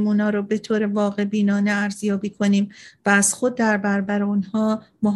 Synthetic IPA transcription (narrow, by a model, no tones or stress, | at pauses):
muːnɒːɾobe̞t̪ʰoːɾevɒːɣe̞biːnɒːneæɾzjɒːbiːkʰo̞niːmvæːz̥xod̪̚ːæɾbæɾbæɾeunhɒːmoɦ